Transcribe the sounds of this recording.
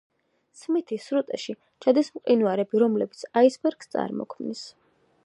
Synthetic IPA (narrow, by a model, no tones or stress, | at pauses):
smit̪ʰisɾut̪ʼɛʃi | t͡ʃʰad̪ismqʼinuaɾɛbiɾɔmlɛbit̪sʰaisbɛɾɡst̪sʼa̰ɾmɔ̰kʰmnis